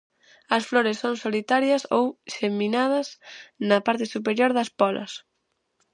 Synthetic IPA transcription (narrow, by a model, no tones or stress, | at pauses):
ɐsfloɾesːoŋsolit̪aɾjɐsowʃemĩnað̞ɐsnɐpaɾt̪ɪsup̬eɾjoɾðɐspɔlʔɐ̰s